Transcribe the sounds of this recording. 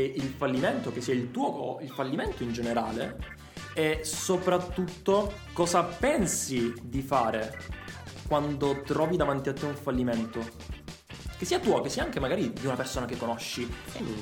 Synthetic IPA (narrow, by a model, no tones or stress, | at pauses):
ilfalːimɛnt̪okesːiːailt̪uːoilfalːimɛnt̪oind͡ʒeneɾaːle | ɛsopɾat̪ːut̪ːo | kɔːzapɛnsid̪ifaːɾe | kwand̪ot̪ɾɔːvid̪avant̪iat̪ːeuɱfalːimɛnt̪o | k̟esːiːat̪uːokesːiaaŋkemaɡaːɾid̪iunapersoːnakekːonɔʃːi